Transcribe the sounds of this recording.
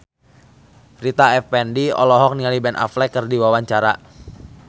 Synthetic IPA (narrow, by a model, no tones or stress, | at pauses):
rit̪aɛfpɛndiɔ̰lɔɦɔk̚nialibɛnʔa̰flɛkːərdiwawaɲt͡ʃaɾa